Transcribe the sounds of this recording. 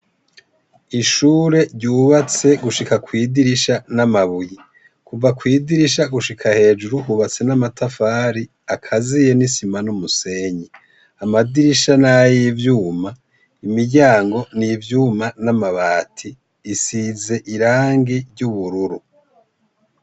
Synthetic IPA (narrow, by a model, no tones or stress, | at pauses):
iʃuːɾe̞ɾɟuːβat͡se̞ɡuʃikakwiːdiɾiʃanamaβuji | kuvakwiːdiɾiʃaɡuʃikʰahe̞ːd͡ʒuɾuɦuβat͡se̞namatafaːɾi | akʰazije̞nisimanumuse̞ːɲi | amadiɾiʃanajivjuːma | imiɾɟaːŋɡo̞nivjuːmanamaβaːtʰiː | size̞ʔiɾaːŋɡiɾɟuβuɾuɾu